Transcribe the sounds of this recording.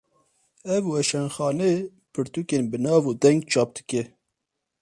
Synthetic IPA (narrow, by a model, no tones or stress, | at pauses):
ɛvwɛʃɛnxɑːne | pʰɨɾt̪ukeːnbɨnɑːvud̪ɛŋɡ̚t͡ʃʰɑːp̚d̪̥ɨkɛ